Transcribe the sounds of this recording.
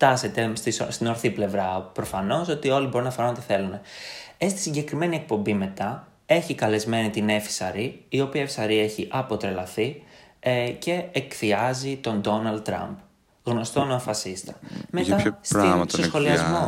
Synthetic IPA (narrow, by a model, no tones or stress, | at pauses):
t̪ɐse̞t̪est̪isst̪ino̞ɾθiple̞vɾɐpɾo̞fɐno̞so̞t̪io̞libo̞ɾunɐfɐɾuno̞t̪iθe̞lune̞est̪i̥siɲɟe̞kɾime̞nie̞k̚po̞mbime̞t̪ɐ | e̞çikɐle̞zme̞nit̪ine̞fi̥sɐɾiːo̞piɐefi̥sɐɾie̞çiʔɐpo̞t̪ɾe̞lɐθi | ce̞ekθiɐzit̪o̞nd̪o̞nɐld̪̚t̪ːɾɐ̰mp | ɣno̞st̪onefɐsist̪ɐ̥me̞ɐst̪isosxo̞liɐzmo̞